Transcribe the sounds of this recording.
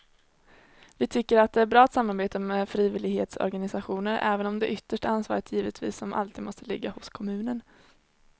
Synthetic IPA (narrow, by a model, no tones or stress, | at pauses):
vɪt̪ʰʏkːəɾat̪̚d̪ɛæɾbɾɑːat̪samːaɾbeːt̪ameːd̪fɾiːvɪlɪɡhḛːt̪sɔ̰ɾɡanɪsaɧuːnəɾɛːvənɔmd̪ɛʔʏt̪ːəʂʈaansvɑ̰ːɾət̪ʰjiːvət̪ʰvḭːsːɔmʔa̰lt̪ʰiːd̪mɔst̪əlɪ̰ɡːahʊskʰɔmʉ̟ːnən